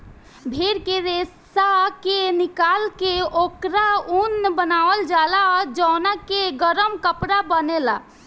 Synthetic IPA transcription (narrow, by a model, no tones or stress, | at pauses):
bʱeɾkeɾes | akenikalkeokɾaunːbənaʋəld͡ʒalad͡ʒənakeɡəɾəmkəpɾabənela